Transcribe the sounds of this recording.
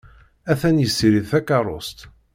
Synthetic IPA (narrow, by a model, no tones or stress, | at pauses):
æθænjəsːiɾiðθækɑɾˤo̰st̪